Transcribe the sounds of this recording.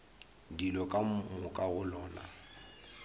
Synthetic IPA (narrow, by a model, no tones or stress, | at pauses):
dilɔkʼammʊkʼaɣʊlɔːna̰